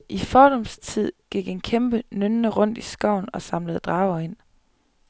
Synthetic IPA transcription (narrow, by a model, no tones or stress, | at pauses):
ʔifɒːɾ̥ɒ̽mst͡sʰið̞̰ˠɡ̥iɡ̥enkʰemb̥ənønːəʁɔ̽n̰d̥isɡ̥ɒʊ̰nɒ̽sɑ̈mləð̞̩ˠd̥ʁɑ̈ːʊɐe̝n̰